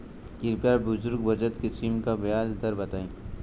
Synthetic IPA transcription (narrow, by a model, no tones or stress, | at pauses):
kɪɾpjaːɾbʊzʊɾɡbɐd͡ʒət̪kesiːmkabjaːd̪d̪ɐɾbɐt̪aːẽ